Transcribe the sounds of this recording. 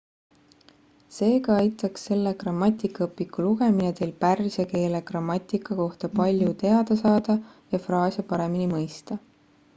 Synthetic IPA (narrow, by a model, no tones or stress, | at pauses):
se̞ːkɑɑjt̪ːˑɑksːe̞lːekrɑmːɑt̪ʲːˑikːɑɤpːˑikuluɡ̥e̞minet̪e̞lpærːiseke̞ːlekrɑmːɑt̪ʲˑikːˑɑko̞ht̪ɑpɑlʲjut̪e̞ɑd̪̥ɑsɑːd̪̥ɑ | jɑfrɑːsʲjɑpɑɾe̞minimɤjst̪ɑ